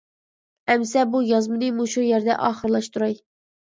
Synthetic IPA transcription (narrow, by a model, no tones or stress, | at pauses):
ɛmsɛbujɑzmɨd̪ɨmuʃujɛɾd̪ɛ̰ʔɑːχəɾlˠɑʃt̪ʰuɾɑj